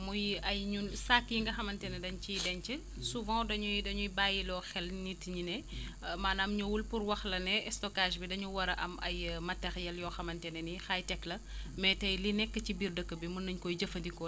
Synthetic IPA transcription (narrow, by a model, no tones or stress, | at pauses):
mujɐjɲusakːjiŋɡɐxɐmɐntɛnɛdɐɲcidɛɲt͡ʃə | suvãwdɐɲujdɐɲujbaːjilɔːxɛlnitiɲinɛmaːnaːmɲuwulpurwɐxlɐnɛɛstɔkaʒbidɐɲuwɐɾɐʔɐmɐ̰jmɐtːɛxjɐljɔːxɐmɐntɛnɛnixaːjtɛklɐmɛtɐjlinɛkːəcibiːrdəkːəbimunːɐɲkɔjɟəfɐndikɔ